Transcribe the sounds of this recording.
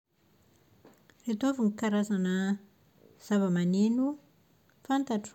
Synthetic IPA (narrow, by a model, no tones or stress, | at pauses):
ret̪ovunikaɾazanə | z̥avəmanenu | fant̪aʈ͡ʂ